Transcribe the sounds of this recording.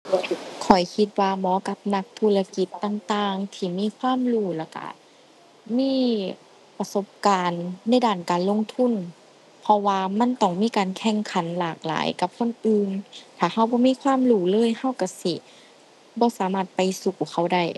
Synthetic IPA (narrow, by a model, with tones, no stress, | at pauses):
kʰɔ˨˩jkʰi˧t̪̚waː˧mɔː˧˦ka˧p̚na˧k̚t̪ʰuː˧˩la˧ki˧˦t̪ːa˧˨ŋt̪aː˧ŋt̪ʰiː˧˩miː˧˥˨kʰwaː˧˥˨mluː˧˩laː˧˩wka̰˧˩ | miː˧˥˨ | pa˧so˧˦p̚kaː˨nːa˧˥˩jdaː˧˩˨nkaː˨nlo˧˥˨ŋt̪ʰu˧˥˨n | pʰɔ˧waː˧ma˧˥˨nt̪ɔ˧˩ŋmiː˧˥˨kaː˨nkʰɛ˧˥˩ŋkʰa˨˦nlaː˨˩k̚la̰ː˨˦jka˧˦p̚kʰo˧˥˨nʔɯː˧nt̪ʰaː˨˩ha˧˩˨wbɔː˧˦miː˧˥˨kʰwaː˧˥˨mluː˧˩lɤː˧˥˨jha˧˨wka˧˩si˧˩ | bɔː˧˦saː˨˦maː˧˩t̪̚pa˨jsu˧˩ku˨˩kʰa˧˩wda˧˩˨j